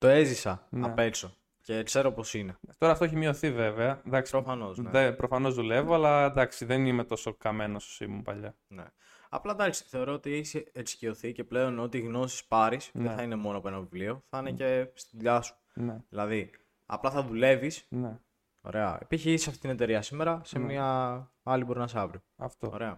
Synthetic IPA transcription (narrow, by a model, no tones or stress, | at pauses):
t̪o̞e̞zisɐɐpe̞so̞ | ce̞kse̞ɾopo̞sine̞t̪o̞ɾɐft̪oeçimio̞θive̞veɐd̪ɐkspɾofɐno̞zneepɾofɐno̞zðule̞voɐlɐnd̪ɐksiðenimet̪o̞so̞kɐme̞nososimupɐʎɐ | ne̞̰ | ɐ̰plɐd̪ɐksi̥θeo̞ɾoot̪ieçisescio̞θice̞ple̞o̞not̪iːɣno̞si̥spɐɾisððeθɐine̞mo̞noɐpoenɐvivlio̞θɐɐnece̞st̪iðʎɐsu̥ | neðilɐði | ɐ̰plɐθɐðule̞visne | o̰ɾe̞ɐ̰ḛpiçiisisɐft̪it̪ine̞t̪e̞ɾiɐsime̞ɾɐse̞mmiɐ | ɐlibo̞ɾinɐs̬eɐvɾioɐft̪ooɾe̞ɐ